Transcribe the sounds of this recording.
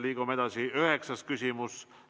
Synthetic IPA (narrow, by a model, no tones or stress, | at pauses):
liːɡ̥ume̞d̪̥ɑsiøɦeksɑs̚kysʲimus